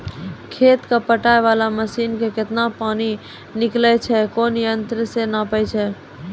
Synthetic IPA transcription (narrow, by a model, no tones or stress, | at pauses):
kʰeːt̪kapəʈaːeʋalaməsiːnkekɪt̪napaːni | nɪklɛt͡ʃʰɛkoːnjənt̪ɾəsenapəjt͡ʃʰɛ